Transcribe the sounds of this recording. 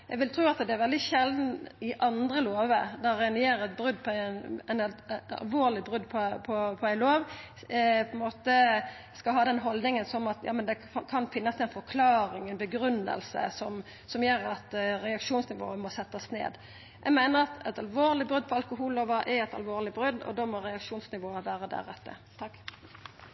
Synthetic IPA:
jʔɛɡʋɪlt̪ʰɾuːɑt̪d̪ɛæɾʋɛld̪ɪʃɛld̪n̩ɪʔɑnd̪ɾəloːʋəd̪ɔɾɛnjeːɾɛt̪̚bɾʉd̪pʰɔænɛnɑ̰lʋoːʁlɪbɾʉd̪pʰɔpʰɔpʰɔæɪloːʋ | pʰɔɛnmoːt̪ə | skɑlɦɑːd̪ɛnɦɔld̪nɪŋənsɔmɑt̪jɑ̰ːmɛnd̪ɛ | kʰɑnfɪnːəsɛnfɔɾkʰlɑːɾɪŋɛnbəɡɾʉnːə̰lsə̰sɔm | sɔmjœːɾɑt̪ɾɛɑkʂuːnsnɪʋo̰ːəmɔsɛt̪ːɑsnḛːd̪ | jʔɛ̰ɡmæɪnəʁɑt̪ɛ̰t̪ɑlʋoːʁlɪbʁʉd̪̚pʰɔɑlkʊɦuːloːʋəʔæɛt̪ɑ̰lʋoːɾlɪbɾʉd̪ːɔ̰d̪oːmɔɾɛɑkʂuːnsnɪʋoːəʋæːɾəd̪æ̰ɾɛt̪ːə̰t̪ʰɑkː

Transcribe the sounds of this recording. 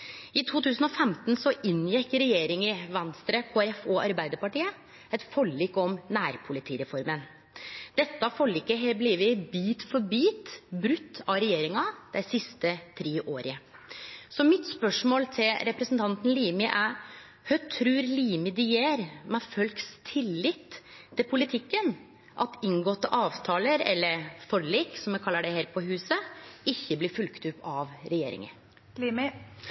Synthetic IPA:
ɪt̪ʰuːt̪ʰʉːsn̩ɔfɛmt̪n̩sɔʔɪnjɛkːɾɛjeːɾɪŋɪʋɛnst̪ɾəkʰoːæɾɛfoːʔɑɾbæɪd̪əɾpɑʈiːə | ɛt̪fɔɭːiːkɔmnæːɾpʰʊlɪt̪ʰiːɾɛfɔɾmən | d̪̥ɛt̪ːɑfɔɭːiːkːəɦɛbliːʋəbiːt̪fɔɾbiːt̪bɾʉt̪ʰːɑɾɛjeːɾɪŋɑd̪̥æɪsɪst̪ət̪ʰɾeːʔoːɾə | sɔmɪt̪spœʂmoːlt̪ʰɪlɾɛpɾɛsn̩t̪ʰɑnt̪n̩liːmɪʔæ | hœt̪ʰɾʉːɾliːmɪd̪ɪjeːɾmɛfœlkst̪ʰɪlːɪt̪ʰːɪlpʰʊlɪt̪ʰɪkːən | ʔɑt̪ɪŋɡɔt̪ːəʔɑːʋt̪ʰɑːləɾɛ̰lːəɾfɔɭeːksɔmjɛkʰɑlːəɖæɪheːɾpʰɔɦʉːsəɪçːəbliːɾfʉlkt̪ʉpːɑʋɾɛjḛːɾɪ̰ŋə̰ | lim

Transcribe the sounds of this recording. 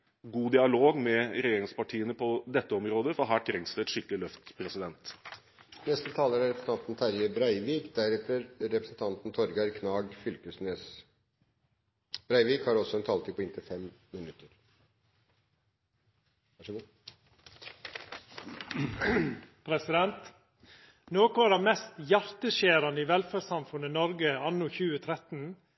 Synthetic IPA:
ɡuːd̪ɪɑloːɡmɛɾɛjeːɾɪŋspɑʈʰiːənəpʰɔd̪ɛt̪ːəɔmɾoːd̪əfɔɦæːʈ̪ʰɾɛŋst̪əɛt̪ʂɪkːəlɪlœft̪pʰɾɛsɪd̪ɛnt̪ | nɛst̪ət̪ʰɑːləɾæɾɛpɾsn̩ɑnt̪n̩t̪ʰæɾjəbɾæɪʋiːkd̪æɾɛt̪əɾɾɛpɾəsnt̪ʰɑnt̪n̩t̪ʰɔɾɡɑɾkʰnɑːɡfʏlkəsneːs | b̥ɾæɪʋiːkhɑɾɔsɔɛnt̪ʰɑːlt̪ɪpʰɔɪnt̪əfɛmmɪnʉt̪ːəɾ | ɑʂɡ | pʰɾɛsɪd̪ɛnt̪ | noːkʊæɖɛmɛst̪jæɾt̪əʃeːɾɑnəiʋɛlfæɖsɑmfʉnənɔɾɡəɑnːʊçʉːət̪ʰɾɛt̪n̩

